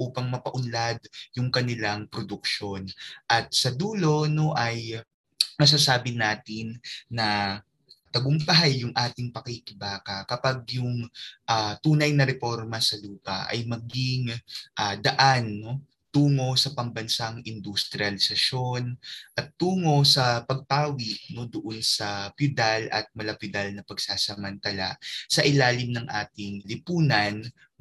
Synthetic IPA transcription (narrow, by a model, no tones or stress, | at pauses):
ʔuːpɐŋmɐpɐʔʊnlad̪̚jʊŋkɐnɪlaŋpɾod̪ʊk̚ʃo̞nʔɐt̪̚sɐd̪uːlo̞noʔɐj | mɐs̬aːsaːbɪnaːt̪ɪnːɐ | t̪ɐɡʊmpɐɦajːʊŋʔaːt̪ɪŋpɐkikɪbaːkɐkɐpaɡ̚jʊŋʔat̪uːnɐjnɐɾɛfo̞ɾmɐsɐluːpɐ̰ʔɐ̰jmɐɡɪŋʔaːd̪ɐʔanːo̞ | t̪uːŋo̞sɐpɐŋbɐnsaŋʔɪnd̪ʊst̪ɾɪɐlɪsɐʃo̞nʔɐt̪ːuːŋo̞sɐpɐɡ̚t̪aːwɪʔno̞d̪ʊʔo̞nsɐpjʊd̪alʔɐ̰t̪̚mɐlɐpʊd̪alnɐpɐɡsaːsɐmɐnt̪ɐla̰ʔsɐʔɪlaːlɪmnɐŋʔa̰ːt̪ɪŋlɪpuːnɐn